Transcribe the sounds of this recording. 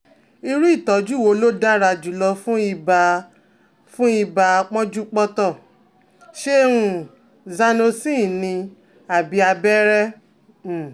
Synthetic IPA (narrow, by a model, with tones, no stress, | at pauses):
i˧ɾu˦i˦˨tɔ˨˦d͡ʒu˦˨wo˧lo˦da˦ɾa˧d͡ʒu˨˦lɔ˧fũ˦i˧ba˧ | fũ˦i˦˧ba˧k͡pɔ̃˦d͡ʒu˦k͡pɔ˦tɔ˦˨ | ʃe˦ɾ̃ũ˧ | za˧no˧sĩ˦˨nĩ˧ | a˨bi˧˦a˧bɛ˦ɾɛ˦˨